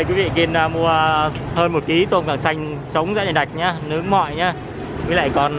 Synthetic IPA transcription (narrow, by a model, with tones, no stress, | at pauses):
kwi˨˦vḭ˧˨ki˨˧˩naː˨˩mu˧əhəː˧nmo˨˩t̚ki˨˦t̪o˧nkaː˧˩ŋsa˧jŋ̟ | t͡ɕə˨˦wŋ͡mza̰ː˧˥ɗə˨˩ɗa˨˩k̟̚ɲaː˧nɨ˨˦əŋmɔ̰˧˨jɲaː˧ | i˨˦la̰ː˧˨jkɔ˨˩n